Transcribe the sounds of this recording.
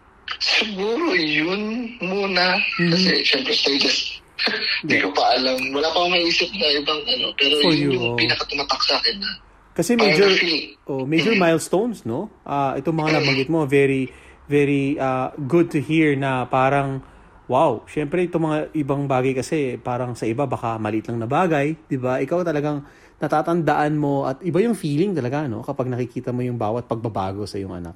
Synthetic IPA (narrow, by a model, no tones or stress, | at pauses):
sɪɡuːɾojʊnmuːnɐm̩ːkɐsɛ̰ʃɛmpɾɛst̪ejd͡ʒɛs | d̪ikopɐʔɐlɐmwɐlaːpɐŋmɐʔiːsɪp̚nɐʔɪbɐŋʔɐnopɛːɾojopiːnɐkɐt̪ʊmaːt̪ɐksaːkɛnːɐ | kɐsɛmɛjd͡ʒoɹfilʔoʔmɛjd͡ʒoɹmajlst̪ownsno̞ʔaʔɛt̪oŋmɐŋanɐbɐŋɡɪt̪̚mo̞vɛɾivɛɹiʔaɡʊd̪̚t̪ʊhiɹnɐpaːɾɐŋ | wawʃɛmpɾɛʔɛt̪oŋmɐŋaʔɪbaŋbaːɡɐjkɐsɛpaːɾɐŋsɐʔɪbabɐkamɐlɪʔɪt̪lɐŋnɐbaːɡɐjd̪̥ɪbaʔɪkawt̪ɐlɐɡaŋ | nɐt̪aːt̪ɐnd̪ɐʔanmo̞ʔɐt̪ʔɪbajʊŋfiːlɪŋt̪ɐlɐɡano̞̰kɐpaɡ̚nɐkɪkiːt̪ɐmo̞jʊŋbaːwɐt̪̚pɐɡ̚bɐba̰ːɡo̞sɐjoŋʔɐ̰na̰k̚